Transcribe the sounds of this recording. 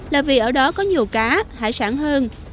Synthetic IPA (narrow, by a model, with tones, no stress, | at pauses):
laː˨˩vi˨˩ʔəː˧˩ɗɔ˨˦kɔ˨˦ɲi˨˩əwkaː˨˦ha̰ː˧˩jsaː˧˩ŋhəː˧n